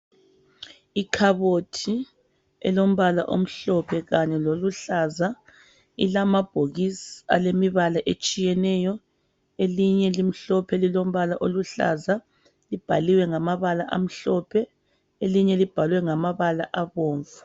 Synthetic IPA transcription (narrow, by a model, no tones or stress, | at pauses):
ikʰaβotʰi | ɛ̰lom̩βala̰ʔo̰m̩ɬɔpʰɛɣaɲɛloluɬaza | ḭlamab̥ʱoɣisa̰lemiβalaʔet͡ʃʼijɛnɛjɔ | eliɲɛlim̩ɬɔpʰɛlilom̩βalaʔoluɬa̰za | lib̥ʱaliwɛŋamaβalaʔam̩ɬɔpʰɛ | eliɲɛlib̥ʱalwɛŋamaβalaʔaβɔːɱvu̥